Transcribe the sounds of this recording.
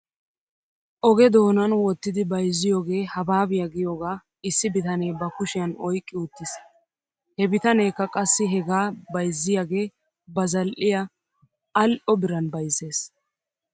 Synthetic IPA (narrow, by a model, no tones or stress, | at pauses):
ʔɔɡɛd̪o̞ːnɐnwɔt̪ːɪd̪ɪbɐjzːɪjo̞ːɡe̞ːhɐbaːbɪjɐɡɪjo̞ːɡaː | ɪsːɪbɪt̪ɐnejbɐkʊʃɪjɐnɔjkʼːɪʊt̪ːɪs | hɛbɪt̪ɐneːkːɐkʼɐsːɪɦɛɡaːbɐjzːɪjaːɡe̞ː | bɐzɐlʔɪjɐ | ɐlʔɔbɪɾɐnbɐjzːe̞ːs